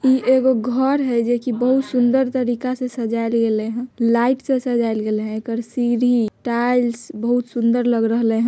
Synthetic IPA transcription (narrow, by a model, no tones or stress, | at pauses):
iʔeɡoɡʱəɾɦɛd͡ʒekibəɦut̪sund̪əɾt̪əɾikasẽsəd͡ʒalɡeleɦə̃laɪʈsẽsəd͡ʒajlɡeleɦɛ̃ekəɾsiɾiʈajlsbəɦut̪sund̪əɾləɡɾəɦleɦə̃